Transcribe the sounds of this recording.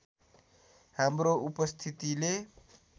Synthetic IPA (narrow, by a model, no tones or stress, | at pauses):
ɦamɾoupəst̪ʰit̪ile